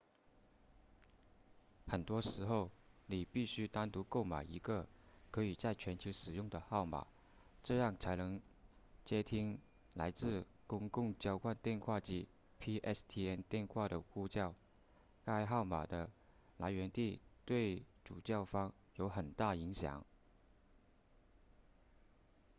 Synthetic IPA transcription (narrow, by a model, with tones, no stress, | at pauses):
xə˨˩nt̪wɔ˥ʂɻ̩˧˥xo˥˩ʊni˨˩pi˥˩ɕy˥t̪a˥nt̪u˧˥ko˥˩ʊma̰˨˩ɪi˧˥ɡə˧kʰɤ˧˥i˨˩t͡sa˥˩ɪt͡ɕʰɥɛ˧˥nt͡ɕʰo˧˥ʊʂɻ̩˨˩jʊ˥˩ŋd̪ə˩xɑ˥˩ʊma̰˨˩˦ | ʈ͡ʂɤ˥˧jɑ˥˩ŋt͡sʰa˧˥ɪnɤ˧˥ŋt͡ɕjɛ˥t̪ʰi˥ŋ | la˧˥ɪt͡sɹ̩˥˩ | kʊ˥ŋkʊ˥˩ŋt͡ɕjɑ˥ʊkwa˥˧nt̪jɛ˥˧nxʰwa˥˧t͡ɕi˥˩ | pʰi˥ʔɛ˥˩st̪ʰi˥ɛ˥nt̪jɛ˥˧nxwa˥˩ɾə˩ku˥˧t͡ɕjɑ˥˩ʊ | ka˥˧ɪxɑ˥˩ʊma˨˩d̪ə˦ | la˧˥ɪɥɛ˧˥nt̪i˥˩t̪we˥˩ɪʈ͡ʂu˨˩t͡ɕjɑ˥˩ʊfɑ˥ŋ | jo˧˥ʊxə˨˩nt̪a˥˩i˧˥ŋɕjɑ̰˨˩˦ŋ